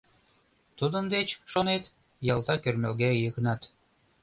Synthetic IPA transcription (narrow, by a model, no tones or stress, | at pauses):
t̪ud̪ə̆nd̪et͡ɕʃonet̪ | jɑlˠt̪ɑkʲørmelɣæjɤk̆nɑt̪